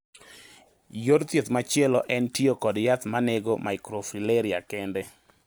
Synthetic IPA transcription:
joɾt̪jet̪mat͡ʃɪɛlɔʔɛntiokɔdjat̪maneɡomaɪkɾofileɾiakɛndɛ

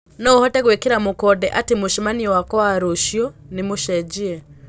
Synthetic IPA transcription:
nɔuhɔtɛɣwekiɾamukɔdɛʔatimuʃimaniwakɔaɾuʃjɔnimuʃɛd͡ʒiɛ

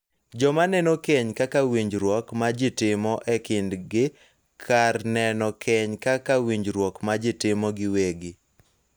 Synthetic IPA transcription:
d͡ʒɔmanɛnokɛɲkakawiɲd͡ʒɾwɔkmad͡ʒɪtɪmɔʔɛkɪndɡɪ | kʰarnɛnɔkʰɛɲkakawiɲd͡ʒɾwɔkmad͡ʒɪtɪmɔɡɪweɡɪ

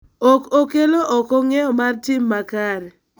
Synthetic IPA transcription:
ɔkokeloʔɔkɔŋɛɔmartɪmːakaɾɛ

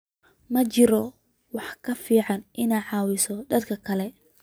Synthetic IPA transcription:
mɐt͡ʃɪɾɔ | wɑħkʰɐfiːʕɑnʔɪneːʕɑːwɪsɔd̪ɐd̪kʰɐkʰɐlɛ

